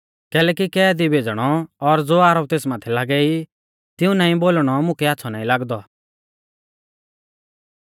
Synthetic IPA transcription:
kɛːlɛːkikɛːd̪ibʱed͡zɽ̃ɔɔɾd͡zoːaːɾɔp̚t̪eːsmãːt̪ʰɛlaːɡɛi | t̪ɪũnãːĩboːlɽ̃ɔmʊ̃kɛatːsʰɔnãːĩlaːɡd̪ɔ

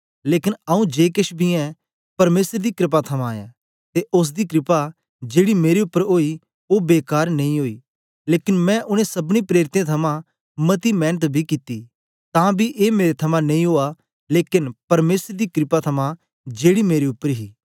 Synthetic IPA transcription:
leːkɪnaːũd͡ʒeːkɪʃbʱiɛ̃ | pɐɾmeːsəɾd̪ikɾɪp̬at̪ʰɐmãjã̰ː | t̪eʔʊs̬d̪ikɾɪpa | d͡ʒeːɽimeːɾeʊpːəɾoːi | obeːkaːɾnɐĩɦoːiː | leːkɪnmɛ̃ʔʊnẽsɐbñĩpɾeːɾɪt̪ẽt̪ʰɐmã | mɐt̪imɛ̃ːnət̪bʱikit̪i | t̪ãːbʱiʔeːmeːɾet̪ʰɐmãnɐĩɦoːa | leːkɪnpɐɾmeːsɾd̪ikɾɪpat̪ʰɐmã | d͡ʒeːɽimeːɾeʊpːəɾɦḭː

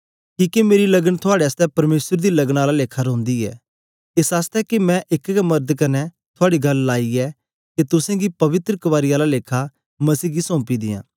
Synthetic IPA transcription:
kiːkemeːɾilɐɡənt̪ʰʊaːɽeaːst̪ɛpɐɾmeːsəɾd̪ilɐɡɽ̃aːlaleːkʰaɾõːnd̪iɛ̰ː | esaːst̪ɛkemɛ̃ʔɪkkɛmɐɾd̪kɐnɛ | t̪ʰʊaːɽiɡɐlːaːiɛ | ket̪ʊsẽɡipɐʋɪt̪ɾəkɐʋaːɾijaːlaleːkʰa | mɐsiːɡisɔ̃ːpid̪ɪ̰jã̰ː

